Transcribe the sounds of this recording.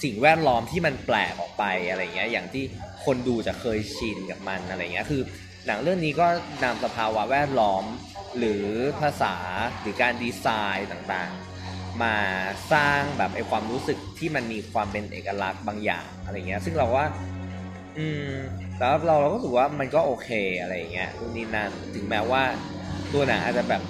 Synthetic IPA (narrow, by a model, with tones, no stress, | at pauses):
si˨˩ŋwɛː˥˩t̪̚lɔː˦˥mt̪ʰiː˥˩ma˧nplɛː˨˩k̚ʔɔ̰ː˨˩k̚pa˧jʔa˧ɾa˧jːa˨˩ŋːi˦˥ɐjaː˨˩ŋt̪ʰiː˥˩kʰo˧nduː˧t͡ɕa˨˩kʰɤː˧jt͡ɕʰi˧nka˨˩p̚ma˧nʔa˧ɾa˧j̰ŋːi˦˥kʰɯː˧ | na˩˦ŋɾɯ˥˩əŋniː˦˥kɔː˥˩na˧msa˧pʰaː˧wa˦˥wɛː˥˩t̪̚lɔː˦˥m | ɾɯː˩˦pʰa˧saː˩˦ɾɯː˩˦kaː˧ndiː˧saː˧jt̪aː˨˩ŋt̪a̰ː˨˩ŋ | maː˧saː˥˩ŋbɛː˨˩p̚ʔa˧jkʰwaː˧mɾuː˦˥sɯ˨˩k̚t̪ʰiː˥˩ma˧nmiː˧kʰwaː˧mpe˧nʔḛː˨˩kːa˧la˦˥k̚baː˧ŋja̰ː˨˩ŋʔa˧ɾa˧jŋːi˦˥sɯ˥˩ŋɾa˧wkɔː˥˩ | ʔɯː˧msaː˩˦a˨˧˩ɾa˧wɾa˧wkɔː˥˩sʰɯ˨˩k̚waː˥˩ma˧nkɔː˥˩ʔoː˧kʰeː˧ʔa˧ɾa˧jːa̰˨˩ŋːi˦˥ɐu˧˥˩niː˦˥na˥˩nt̪ʰɯ˩˦ŋmɛː˦˥waː˥˩ | t̪u˧na˩ʔa̰˨˩t̪̚t͡ɕa˨˩bɛː˨˩p̚